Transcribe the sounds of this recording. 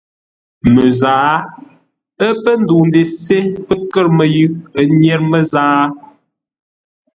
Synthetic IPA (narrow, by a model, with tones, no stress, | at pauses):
mə˨zaː˨˦ | ə˦pə˦n˦du˨n˦de˨se˦pə˦kə˦˨ɾmə˨jʉ˦ə˦njɛ˦ɾmə˦zaː˦